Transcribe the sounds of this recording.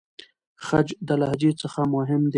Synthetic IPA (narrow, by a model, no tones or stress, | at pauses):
xad͡ʒd̪əlahd͡ʒet͡səxamʊɦɪmd̪e